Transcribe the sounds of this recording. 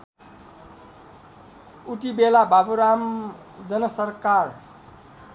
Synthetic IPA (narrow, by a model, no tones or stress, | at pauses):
uʈibelababuɾam | d͡zʌnʌsʌrkar